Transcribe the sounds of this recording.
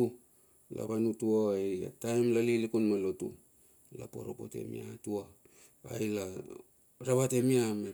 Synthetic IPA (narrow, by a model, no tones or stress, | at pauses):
u | la̰βanutuaaja̰tajmlalilikunmalo̞tṵ | la̰po̞̰ɾopo̞̰te̞̰mḭatua̰ː | jla | ɾaβate̞miama